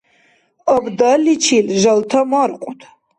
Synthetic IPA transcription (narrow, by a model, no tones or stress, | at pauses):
ɔbdɐlit͡ʃʰilʒɐltʰɐmɐrqʷʼʊtʰ